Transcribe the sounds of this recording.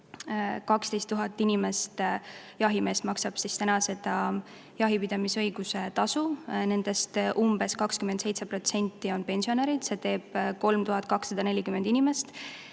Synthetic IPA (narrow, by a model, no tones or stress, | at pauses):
kɑkst̪e̞jst̪ːuɦɑt̪ːˑinʲime̞st̪ | jɑɦime̞ːsmɑksɑb̥sist̪ænɑse̞d̪̥ɑ | jɑɦipid̪ɑmisɤ̞jɡ̥use̞t̪ɑsune̞nd̪̥e̞st̪ʔumb̥e̞skɑkskymend̪se̞jt̪se̞pro̞t̪se̞nʲt̪ːˑio̞npe̞nʲsio̞neɾid̪̥se̞t̪e̞ːb̥̚ko̞lmt̪uɦɑt̪̚ˑkɑksːɑd̪̥ɑne̞lʲikymend̪̥inime̞st̪